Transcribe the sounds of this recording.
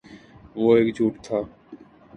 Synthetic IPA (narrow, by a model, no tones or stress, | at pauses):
ʋoːeːkd͡ʒʱuːʈt̪ʰaː